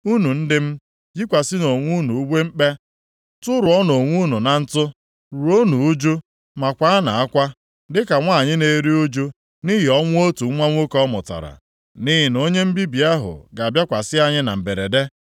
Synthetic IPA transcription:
u˦nu˨n̩˦dɪ˦m̩˦ | d͡ʒi˦kʷa˨sɪ˦no˨ŋʷu˦nu˨u˦ɡ͡be˦ŋ͡m̩˦k͡pe˦ | tʊ˦ɾʊ˨ɔ˦no˨ŋʷu˦nu˨na˨n̩˦tʊ˦ | ɾu˨o˦nu˨u˦d͡ʒu˦ | ma˨kʷa˨˦a˦na˨a˦kʷa˦ | dɪ˦ka˨ŋʷa˦˨ɲɪ˦ne˨ɾi˦u˦d͡ʒu˦ | ni˦ɦi˨ɔ˦ŋʷʊ˦o˦tu˨˦ŋʷa˦ŋʷ˦o˦kɔ˦mʊ̰˨ta̰˨ɾa̰˨ | ni˦ɦɪ˨no˦ɲe˦m̩˦bi˦bi˨a˦ɦʊ̰˨ɡa˨a˨bja˦kʷa˨sɪ˦a˦ɲɪ˦na̰˨m̩˨be˨ɾe˨de˦

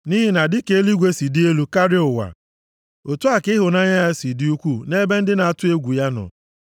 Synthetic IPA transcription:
ni˦ɦɪ˨na˨dɪ˦ke˦e˦li˦ɡʷe˦si˨di˦e˦lu˦ka˦ɾɪ˦ʊ˨wa̰˨ | o˨tu˦a˨kɪ˦ɦʊ˨na˦ɲa˦a˦si˨dɪ˦u˦kʷu˦˨ne˦be˦n̩˦dɪ˦na˨a˨tʊ˦e˦ɡʷu˨ja˦nɔ̰˨

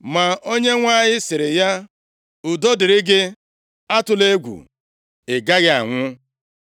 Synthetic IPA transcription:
ma˨o˦ɲe˦ŋʷa˦˨ɲɪ˦sɪ˨ɾɪ˨ja˦ | ʊ˨dɔ˦dɪ˨ɾɪ˦ɡɪ˦ | a˦tʊ˨le˦ɡʷṵ˨ | e˨ɡa˦ɣɪ˦a̰˨ŋʷʊ˦

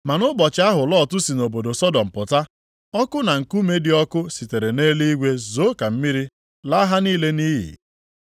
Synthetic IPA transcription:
ma˨nʊ˦bɔ˨t͡ʃɪ˦a˦ɦʊ˨lɔ˦˨tʊ˦si˨no˨bo˨do˨sɔ˦dɔ˨m̩˨pʊ˨ta˦ | ɔ˦kʊ˦na˨ŋ̩˨ku˦me˦dɪ˨˦ɔ˦kʊ˦si˨te˨ɾe˨ne˦li˦i˦ɡʷe˦zo˨˦ka˨m̩˦mi˦ɾi˦ | la˦a˦ɦa˦niː˦le˦ni˦ɦḭ˨

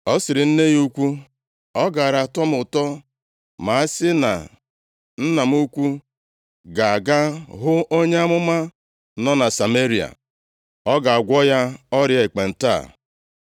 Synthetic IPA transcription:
ɔ˦sɪ˨ɾɪ˨n̩˦ne˦ju˦kʷu˦ | ɔ˦ɡa˨a˨ɾa˨tɔ˦mʊ˨tɔ˦ | ma˨a˦sɪ˦na̰˨ | n̩˦na˨m̩˦u˦kʷu˦ | ɡa˨a˨ɡa˦ɦʊ˦ʔo˦ɲe˦a˦mʊ˦ma˦ | nɔ˦na˨sa˨me˦ɾi˨a̰˨ | ɔ˦ɡa˨a˨ɡʷɔ˦ja˦ɔ˦ɾɪ˦e˨k͡pe˨n̩˨ta̰˦˨

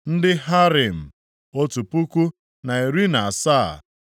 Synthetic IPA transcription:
n̩˦dɪ˦ɦa˦ɾi˨m̩˨ | o˦tu˨pu˦ku˦ | na˨i˨ɾi˦na˨saː˦˨

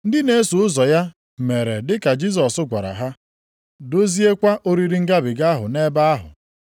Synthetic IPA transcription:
n̩˦dɪ˦ne˦e˦su˨ʊ˦zɔ˨ja˦ | me˨ɾe˨dɪ˦ka˨d͡ʒi˦s̬ɔ˨sʊ˦ɡʷa˨ɾa̰˨ɦa˦ | do˦zi˦e˦kʷa˦ʔo˦ɾi˦ɾi˦ŋ̩˦ɡa˦bɪ˨ɡa˦ɦʊ̰˨ne˦ba˦a˦ɦʊ̰˨

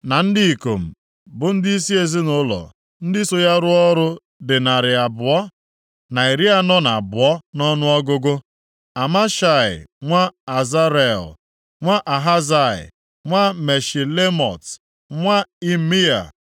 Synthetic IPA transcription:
na˨n̩˦dɪ˦i˨ko˨m̩˨ | bʊ˨n̩˦dɪ˦i˦s̬i˦e˨zi˦nʊ˦lɔ̰˨ | n̩˦dɪ˦so˦ja˦ɾʊ˦ɔ˦ɾʊ˦ | dɪ˨na˨ɾɪ˨a˨bʊ˨ɔ˦ | na˨i˨ɾi˦a˦nɔ˦na˨a˨bʊ˨ɔ˦nɔ˦nʊ˦ɔ˦ɡʊ˦ɡʊ˦ | a˨ma˦ʃa˦˨ɪ̰˨ŋʷa˦a˨za˦ɾɛ˦˨l | ŋʷa˦ʔa˨ɦa˦za˨ɪ̰˨ | ŋʷa˦me˨ʃi˨le˦mɔ˨t | ŋʷa˦i˦mi˦a̰˨

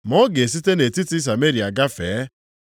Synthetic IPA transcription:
mɔ˦ɡe˨s̬i˦te˦ne˨ti˦ti˦s̬a˨me˦ɾi˨a˨ɡa˦feː˨˦

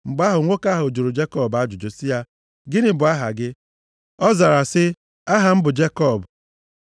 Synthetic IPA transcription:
m̩˨ba˦ɦʊ˨ŋʷo˦ka˦ɦo˨d͡ʒo˨ɾu˨d͡ʒe˦kɔ˦˨ba˦d͡ʒʊ˨d͡ʒo˨si˦ja˦ | ɡɪ˦nɪ˦bʊ˨˦a˦ɦa̰˨ɡɪ˦ | ɔ˦za˨ɾa˨sɪ˦ | a˦ɦa˨m̩˦bʊ˨d͡ʒe˦kɔ˦˨b

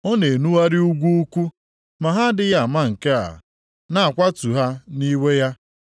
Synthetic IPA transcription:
o˦ne˨nu˦wa˦ɾɪ˦u˦ɡʷu˦u˦kʷu˦ | ma˨ɦa˦dɪ˨ja˦˨a˨ma˦ŋ̩˨ke˦a̰˨ | na˨a˨kʷa˦tu˨ɦa˦ni˦we˦ja˦

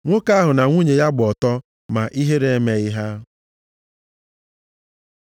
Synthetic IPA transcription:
ŋʷo˦ka˦a˦ɦʊ˨na˨ŋʷu˦ɲe˨ja˦ɡ͡bɔ˨tɔ˦ | ma˨ʔi˦ɦe˦ɾe˨˦me˨ɪ˦ɦa˦

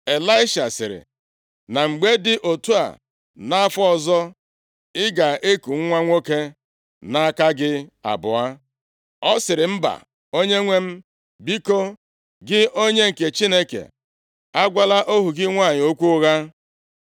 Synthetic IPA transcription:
e˨la˦ɪ˦ʃa˨sɪ̰˨ɾɪ̰˨ | na˨ŋ͡m̩˨ɡ͡be˦dɪ˦ʔo˨tu˦a̰˨ | na˦fɔ˦˨zɔ˦ | ɪ˦ɡa˨e˦ku˨ŋ̩˦ŋʷa˦ŋʷo˦ke˦ | na˦a˦˨ka˦ɡɪ˦a̰˨bʊ˨a˦ | ɔ˦sɪ˨ɾɪ˨m̩˦ba̰˨ | o˦ɲe˦ŋʷe˦m̩˦ | bi˦ko˦ | ɡɪ˦o˦ɲe˦ŋ̩˨ke˨t͡ʃi˦ne˦kḛ˨ | a˦ɡʷa˦la˦ʔo˦ɦu˨ɡɪ˦ŋʷa˦˨ɲɪ˨o˦kʷu˦ʊ˦ɣa˦

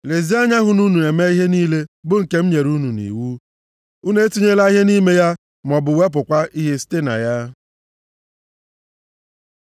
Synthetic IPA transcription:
le˨zi˦a˦ɲa˦ɦʊ˨nu˦nu˨e˨me˦i˦ɦe˦niː˦le˦bʊ˦ŋ̩˨ke˦m̩˦ɲe˨ɾu˦nu˨nḭ˨wu˦ | u˦ne˦tu˦ɲe˦la˦i˦ɦe˦ni˦me˦ja˦ | mɔ˨bʊ˨we˦p̬ʊ˨kʷa˦ʔi˦ɦe˦ste˦na̰˨ja˦

